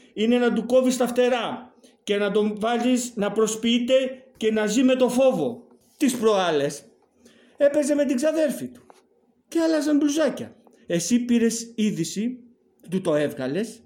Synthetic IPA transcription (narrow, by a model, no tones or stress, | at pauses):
ine̞nɐd̪uko̞vist̪ɐft̪e̞ɾɐ | ce̞nɐd̪o̞vɐziznɐpɾo̞spiit̪e̞ce̞nɐzime̞t̪o̞fo̞vo̞ | t̪ispɾo̞ɐle̞s | e̞pe̞ze̞me̞t̪̬iɡzɐðe̞ɾfit̪u̥ | ceɐlɐzɐmbluzɐcɐ̰ | e̞sipiɾe̞siðisi | t̪ut̪o̞e̞vɣɐle̞s